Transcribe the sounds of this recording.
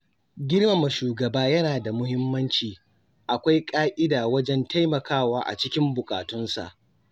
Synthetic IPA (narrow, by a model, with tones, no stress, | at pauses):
ɡʲɪ˦ɽma˨ma˨ʃuː˨ɡɐ˨baː˦jɐ˦naː˨da˨mʊ˦hɪ˦mːɐ˦nt͡ʃiː˨ | ʔa˨kʷa˦jkʼaː˦ʔɪ˦daː˨wɐ˦d͡ʒɛ˦nta˦jmɐ˨kʰaː˦˨waː˦ʔa̰˨t͡ʃɪ˦kʲɪ˦mbʊ˨kʼa̰ː˨tʊ˦nsa̰˨ʔ